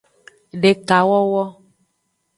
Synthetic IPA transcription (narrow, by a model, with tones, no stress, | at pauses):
ɖe˨ka˨wɔ˦wɔ˦